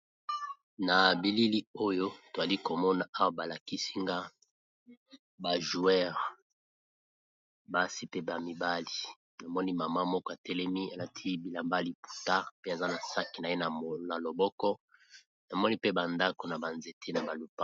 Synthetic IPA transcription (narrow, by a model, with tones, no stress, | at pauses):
na˨bi˨li˦li˦o˦jo˦to˨za˨li˦ko˨mɔ˦na˦ʔa˦wa˦ba˨la˨ki˦si˦ŋɡa˦ | ba˨ʒu˨ɛ˦ʁ | ba˦si˦pe˦ba˨mi˨ba˦li˨ | na˨mɔ˦ni˦ma˨ma˦mɔ˦kɔ˦a˨tɛ˦lɛ˦mi˦a˨la˨tʰi˦bi˨la˨mba˦li˦˨pu̥˨ta˦pe˦a˨za˦na˨sa˦ki˨na˨je˦na˨na˨lo˨bɔ˦kɔ˦ | na˨mɔ˦ni˦pe˦ba˨nda˦ko˨na˨ba˨nze˨tʰe˦na˨ba˨lu˨pa˦